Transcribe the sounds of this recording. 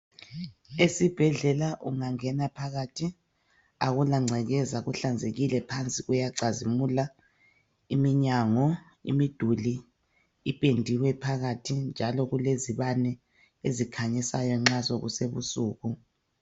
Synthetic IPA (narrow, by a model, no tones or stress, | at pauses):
esib̥ʱɛɮɛlaʔuŋaŋɛnapʰaɣatʰi | aɣulaŋ͡ǁʱɛɣɛzaɣuɬand͡zʱeɣilɛpʰant͡sʼiɣujaǀazimula | imiɲaŋɔ | ḭmid̥ʱuli | ipʼendʱiwɛpʰaɣatʰind͡ʒʱalɔɣuleziβanɛ | ezikʰaɲisajɔŋ͡ǁazoɣuseβusuːɣu